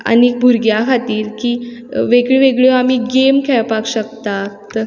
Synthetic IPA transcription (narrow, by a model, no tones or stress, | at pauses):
a̰nikbʱuɾɡjakʰat̪iːɾkiːʋeɡɭiʋeɡɭjoamiːɡemkʰɛɭpakɕəkt̪at̪